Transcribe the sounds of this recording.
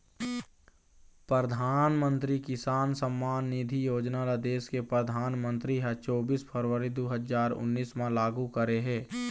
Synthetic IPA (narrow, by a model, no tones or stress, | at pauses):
pɾəəd̪ʱaːnmə̃nt̪ɾikɪsaːnsəmːaːnːid̪ʱijoːd͡ʒnalad̪eːskepɾəd̪ʱaːnmə̃nt̪ɾiɦɛt͡ʃɔːbiːspʰəɾʋəɾid̪oɦəzaːɾʊ̰nːiːsmãlaːɡukəɾeɦɛː